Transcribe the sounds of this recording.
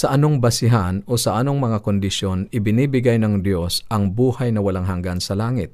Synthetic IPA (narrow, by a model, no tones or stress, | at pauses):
sɐʔɐno̞ŋbɐsɪɦanʔosɐʔɐno̞ŋmɐŋakond̪ɪʃjo̞nɪbɪniːbɪɡajnɐŋd̪jo̞sɐŋbuːhɐjnɐwɐlaŋɦɐŋɡansɐlaːŋɪt̪̚